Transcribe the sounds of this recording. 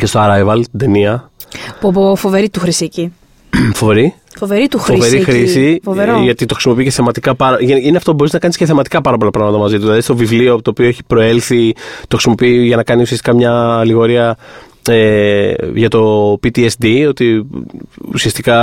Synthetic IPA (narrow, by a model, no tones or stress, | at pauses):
ce̞st̪oɐɾɐjvɐlst̪id̪e̞niɐpbofoveɾit̪uxɾisici | fo̞ve̞ɾi | foveɾit̪uxoveɾixɾisifoveɾoʝɐt̪it̪oxɾisimopiiceθemɐt̪ikɐpɐɾɐʝnineɐft̪obo̞ɾiznɐkɐnisceθemɐt̪i̥kɐpɐɾɐp̬o̞lɐpɾɐɣmɐt̪ɐmɐzit̪uðilɐðist̪o̞vivliot̪oːpioeçi̥pɾo̞e̞lθit̪oxɾisimo̞piiʝɐnɐkɐniusiɐsti̥kɐmɲɐːliɣo̞ɾiɐ | e | ʝɐt̪o̞pit̪iesd̪io̞t̪i | ṵsiɐst̪ikɐ